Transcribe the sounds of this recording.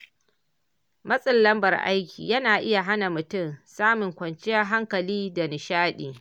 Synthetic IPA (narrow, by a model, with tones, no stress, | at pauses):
mɐ˦sʼɪ˨lːɐ˦mbɐ˨rʔa̰˦jkʲḭː˨jɐ˦naː˨ʔɪ˦ja˨ɦa˦na˨mʊ˨tʊ˦msaː˦mʊ˨ŋkʷɐ˨nt͡ʃɪ˦jɐ˦ɦa˦ŋkɐ˨liː˦da˨nɪ˨ʃaː˦ɗiː˨